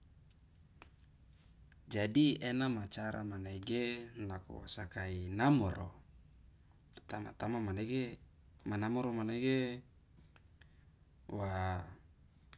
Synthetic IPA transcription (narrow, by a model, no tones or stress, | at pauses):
d͡ʒadienamat͡ʃaɾʔa̰manaiɡelako̰sakainamoɾo̰ | t̪ama̰t̪amamaneɡe | manamɔɾomaneɡe | wa